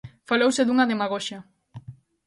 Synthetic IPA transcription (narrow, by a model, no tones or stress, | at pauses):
falowseðuŋaðemaɣoʃa